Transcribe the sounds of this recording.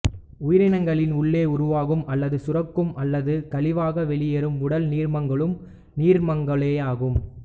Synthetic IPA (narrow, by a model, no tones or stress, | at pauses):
ʊjɪɾɪnɐŋɡɐɭɪnʊɭːeːʊɾʊʋaːɣɯmɐlːɐðɯsʊrɐkːɯmʔɐlːɐðɯkɐɭɪʋaːɣɐʋɛɭɪjɐɾɯmʊɽɐlniːɾmɐŋɡɐɭɯm | niːɾmɐŋɡɐɭeːaːɣɯm